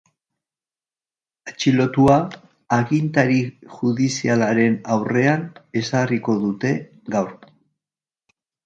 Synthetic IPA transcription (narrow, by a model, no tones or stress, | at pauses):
at͡ʃilo̞t̪uaː | ɣint̪aɾiʝuðisialaɾe̞nawre̞ane̞sariko̞ðut̪e̞ | ɡawɾ